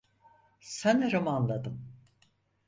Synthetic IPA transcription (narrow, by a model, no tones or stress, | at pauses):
sæneɾomanlˠad̪ɯm